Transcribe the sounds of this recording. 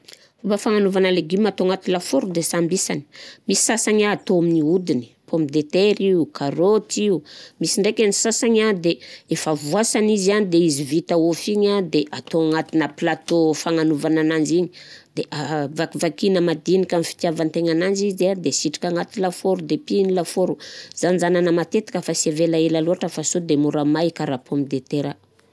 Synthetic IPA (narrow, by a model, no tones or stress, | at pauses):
fobafaŋanuvanəleɡimat̪oaŋat̪ilafoɾud̪esambisani̥misi̥sasaɲaːt̪oaminiud̪ini̥pomid̪et̪eɾiukʰaɾot̪iumisiɳɖ͡ʐekʲanisasaɲad̪eefavuasanizianid̪eizivit̪aofiɲad̪eʔat̪oaŋat̪inəplat̪ofaŋanuvananand͡ʒiɲid̪̥eʔavakivakinəmad̪inikʲanfi̥t̪javant̪eŋanand͡ʒizad̪esiʈ͡ʂi̥kʲaŋat̪ilafoɾud̪epinilafoɾuz̥anzananəmat̪et̪ḁkʲəfasevelaelaluɦaʈ͡ʂəfasod̪emuɾamajkaɾapʰoamid̪et̪eɾa